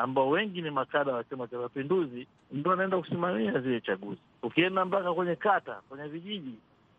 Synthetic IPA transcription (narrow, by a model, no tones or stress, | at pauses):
ambaɔwɛŋɡinimakaɗawat͡ʃamat͡ʃamapinduzi | m̩tuanaɛndaku̥simamiazilɛt͡ʃaɠuzi | ukiɛndambakakwɛɲɛkata̰kwɛɲɛviʄiʄi